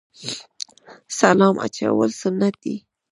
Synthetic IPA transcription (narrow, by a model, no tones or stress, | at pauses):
salɑmʔa̰t͡ʃa̰wəlsʊnat̪̚i